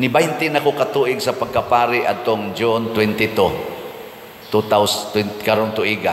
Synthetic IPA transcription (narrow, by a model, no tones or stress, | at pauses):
nɪbajnt̪ɪnɐakokɐt̪uːʔɪɡsɐpɐɡ̚kapaːɾɪʔɐd̪̚t̪oŋd͡ʒʊnt̪wɛnt̪ɪt̪u | t̪ut̪awswɛnkaɾont̪ʊʔiɡa